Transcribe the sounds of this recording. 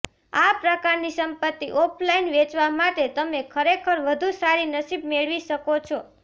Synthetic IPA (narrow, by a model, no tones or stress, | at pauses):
apɾəkaɾnisəmpət̪ːiʔoplainʋet͡ʃʋamaʈet̪əmekʰəɾekʰəɾʋəd̪ʱusaɾinəsib̚meɭʋiʃəkot͡ʃʰo